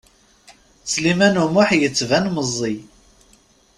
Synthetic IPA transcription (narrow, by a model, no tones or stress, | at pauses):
t͡sːlimænumʊħjət͡sːvænməzˤːi